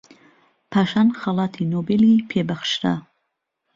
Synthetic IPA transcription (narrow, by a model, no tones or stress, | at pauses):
pʰaːʃaːnxɑlˠɑːt̪ʰinobelipʰeːbɐxʃɾa̰